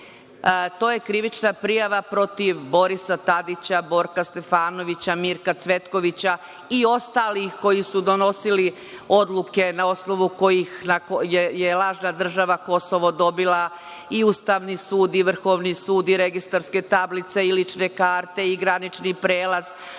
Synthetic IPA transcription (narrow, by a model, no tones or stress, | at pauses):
t̪o̞ːje̞kɾiʋit͡ʃnapɾijaʋapɾo̞t̪iʋbo̞ɾisat̪ad̪it͡ɕabo̞ɾkast̪e̞faːno̞ʋit͡ɕamiɾkat̪sʋe̞t̪ko̞ʋit͡ɕa | io̞st̪aːlixko̞jisud̪o̞no̞sili | o̞d̪lˠuke̞nao̞sno̞ʋuko̞jixnakojejelˠaːʒnad̪r̩ʒaʋako̞soʋod̪o̞bilˠa | iust̪aːʋnisuːd̪iʋr̩xo̞ʋnisuːd̪iɾeɡist̪aɾske̞t̪ablit̪se̞ilit͡ʃnekaːɾt̪e̞iɡɾanit͡ʃnipɾeːlˠaz̥